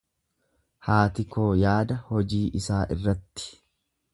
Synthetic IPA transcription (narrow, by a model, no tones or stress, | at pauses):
haːt̪ɪkoːjaːd̪ɐhɔd͡ʒiːʔɪsaːʔɪ̰rːɐt̪ːɪ̥